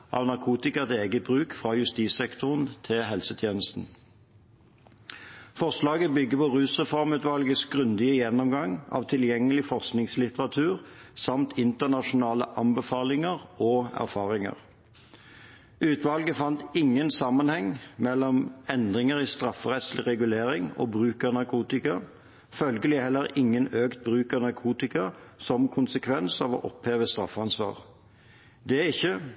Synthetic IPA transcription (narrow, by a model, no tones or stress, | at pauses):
ʔɑ̰ːʋnɑʁkʰuːt̪ɪkɑt̪eːɡət̪̚bʁʉːkfʁɑjʉst̪iːsɛkt̪ʰʊʁnt̪ʰɪlɦɛlsət̪ʰjeːnəst̪n̩ | fɔʁʂlɑːɡəbʏɡːəpɔʁʉːsʁɛfɔʁmʉːt̪ʋɑlɡəsɡʁʉnd̪ɪəjɛnːɔmɡɑŋɑ̰ːʋt̪ʰɪljɛŋːəlɪfɔʁsknɪŋslɪt̪əʁɑt̪ʰʉːʁsɑmt̪ʰɪnt̪əʁnɑʃʊnɑːlə̰ʔɑmbəfɑːlɪŋəʁoːæ̰ʁfɑːʁɪŋə̰ʁ | ʔʉːt̪ʋɑlɡəfɑnt̪ɪŋːənsɑmːənhɛŋmɛlːɔmɛnd̪ʁɪŋəʁist̪ʁɑfːəʁɛt̪slɪʁɛɡʉleːʁɪŋo̰ːbʁʉːkəʁnɑʁkʰuːt̪ɪkɑ | fœlɡəlɪhɛlːəɾɪŋːənøːkt̪̚bʁʉːkəʁnɑʁkʰuːt̪ɪkɑsɔmkʰʊnsəkʰʋɛnsɑʋɔ̰ʔɔpheːʋəst̪ʁɑ̰fəɑnsʋɑ̰ːʁ | d̪ɛæɪçːə